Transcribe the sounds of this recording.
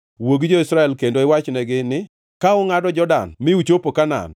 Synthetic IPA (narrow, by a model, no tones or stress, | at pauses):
woɡd͡ʒoisɾaɛlkendoɪwat͡ʃnɛɡɪnɪ | kaʊŋadɔd͡ʒɔda̰nmɪut͡ʃopokana̰n